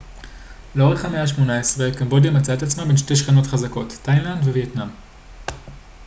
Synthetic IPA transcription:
leo̞ʁeχameaʃmo̞naesʁekambo̞dijamat͡saetat͡smabe̞nʃte̞jʃχeno̞tχazako̞tːajnlandvevietnam

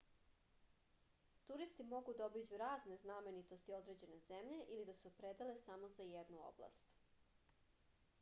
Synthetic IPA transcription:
t̪uɾist̪imo̞ɡud̪aobid͡ʑuɾaːzne̞zname̞nit̪o̞st̪io̞d̪ɾe̞d͡ʑe̞ne̞zemʎeʔilid̪asupɾed̪ale̞samozajed̪nuo̰blˠa̰st̪

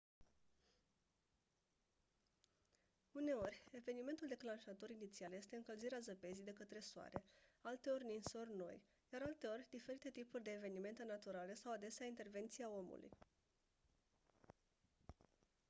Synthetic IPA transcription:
une̞o̞rʲe̞ve̞nime̞nt̪uld̪e̞klanʃat̪o̞ɾinit̪sialje̞st̪e̞ɨŋkəlziɾeazəpe̞zijd̪e̞kət̪ɾe̞soa̰ɾe̞alt̪e̞o̞rʲninso̞rʲno̞̰j | jaɾalt̪e̞o̞rʲd̪ife̞ɾit̪e̞t̪ipurʲd̪eːve̞nime̞nt̪enat̪uɾale̞sawad̪e̞seaint̪e̞rve̞nt̪siao̞mṵlṵj

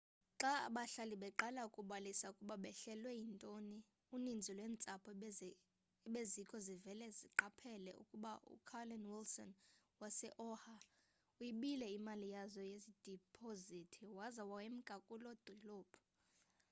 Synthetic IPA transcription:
ǁaa̰ɓaɬaliɓɛǃalaukʼuɓalisaukʼuɓaɓɛɬɛlwɛjintʼoni | unind͡zʱilwɛːnt͡sʼapʰɔ | ɓezikʼɔzivɛlɛziǃapʰɛlɛ̰ṵkʼuɓaʔṵkʰalɔnwilsɔ̰n | wasɛʔɔha | ujiɓilɛimalijazɔjezid̥ʱipʰozitʰiwazawawem̩ɡ̥ʱakʼulɔd̥ʱɔlɔːb̥ʰʱɔ̥

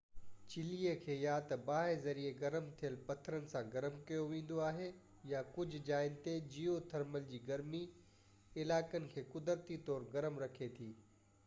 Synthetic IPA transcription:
t͡ɕɪliːəkʰeːjaːt̪ɐbaːɦezɐɾieɡɐɾəmt̪ʰijəlpɐt̪ʰəɾənɪ̆sãɡɐɾəmkɐjoʋẽːn̆d̪oaːɦe | jakʊd͡ʑʱʊd͡ʑaːɪnɪ̆t̪ed͡ʑiːot̪ʰɐɾməld͡ʑiːɡɐɾmi | ɪlaːkənɪ̆kʰeːkʊd̪əɾt̪it̪ɔːɾɡɐɾəmɾɐkʰet̪ʰiː

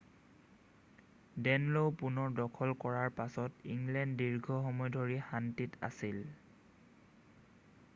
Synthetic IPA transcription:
dɛnlowpunɔɹdɔkʰɔlkɔɹaɹpasɔtiŋlɛnddiɹɡʱɔxɔmɔjdʱoɹixantita̰sil

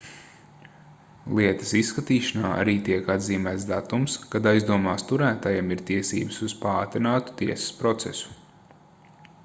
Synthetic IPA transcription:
lˠiɛt̪ɐ̥sisːkat̪iːʃanaːʔa̰ɾiːt̪iɛkad̪ziːmæːt̪d̪at̪umskad̪ajzd̪uɔmaːst̪uɾæːt̪ajɛmiɾt̪iɛsḭːbəsuz̥paːt̪ɾinaːt̪u̥t̪iɛsɐ̥spɾɔt̪sɛsu̥

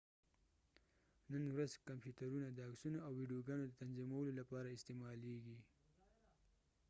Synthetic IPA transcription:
nənwɾazkampjuʈaɾunad̪əːksunoawːiɖijoɡɑːnod̪ət̪anzimawəlolapɑɾaɪst̪emɑleɡi

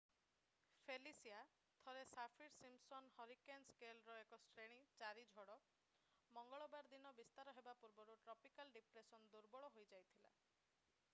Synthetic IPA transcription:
pʰelisia | t̪ʰɔɾesapʰiɾsimsɔnhɔɾikenskelɾɔekɔsʈɾeɽ̃it͡ʃaɾid͡ʒʱɔɽɔ | mɔŋɡɔɭɔbaɾd̪inɔbist̪aɾɔɦebapuɾbɔɾuʈɾɔpikalɖipɾesɔnd̪uɾbɔɭɔɦojd͡ʒajt̪ʰila̰

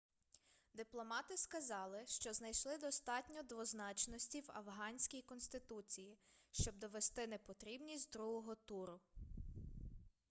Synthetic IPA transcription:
d̪ɪplˠɔmɑt̪ɪskɐzɑlˠɪʃt͡ʃɔznɐjʃlˠɪd̪ɔst̪ɑtʲnʲɔd̪ʋɔznɑt͡ʃnɔsʲtʲiwɐ̰wɦɑnʲsʲkʲijkɔnst̪ɪt̪ut͡sʲijiʃt͡ʃɔb̚d̪ɔʋest̪ɪnɛpɔt̪ɾʲibnʲisʲtʲd̪ɾuɦɔɦɔt̪uɾʊ

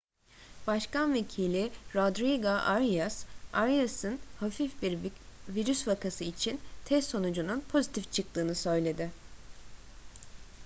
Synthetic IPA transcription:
b̥aʃkanve̞cʰilʲiɾod̪ɾiɡaʔaɾjasaɾijasɯnhafifbiɾviɾysvakasɯit͡ʃʰint̪ʰɛst̪ːo̞nud͡ʒununpʰo̞zit̪ʰift͡ʃʰɯk̚t̪ɯːnɯsø̞jlʲe̞d̪ɪ

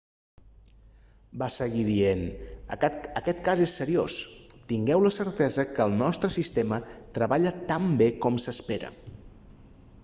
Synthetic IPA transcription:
basəɣiðien | əkɛt̪kazesːəɾio̰st̪iŋɡɛwləsəɾt̪ɛzəkəːlˠnɔst̪ɾəsist̪emət̪ɾəβaʎət̪ambekɔmsəspeɾə̰

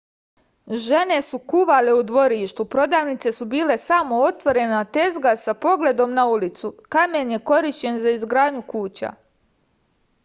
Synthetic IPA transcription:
ʒe̞ne̞sukuʋaleud̪ʋo̞ɾiːʃt̪upɾo̞d̪aːʋnit̪se̞subiːle̞samo̞ot̪ʋo̞ɾe̞nat̪e̞zɡasapo̞ɡle̞d̪o̞mnaulit̪sukame̞nje̞ko̞ɾiʃt͡ɕe̞nzaizɡɾaːd̪ɲukuːt͡ɕa̰

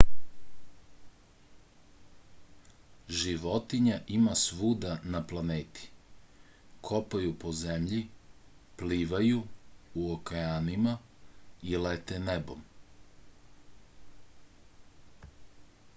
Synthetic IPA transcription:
ʒiʋot̪iɲaʔimasʋuːd̪anaplˠaneːt̪i̥ | kʰo̞pajupo̞zemʎi | pliːʋajuuokajaːnima | ilet̪enebom

